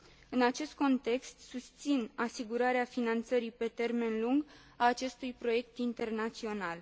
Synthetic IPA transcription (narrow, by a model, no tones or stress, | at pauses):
ɨnat͡ʃe̞st̪̚ko̞nt̪e̞kst̪sust̪sinasiɡuɾaɾeafinant̪səɾipe̞t̪e̞rme̞nluŋɡ | aːt͡ʃe̞st̪ujpɾo̞je̞k̚t̪int̪e̞rnat̪sio̞nal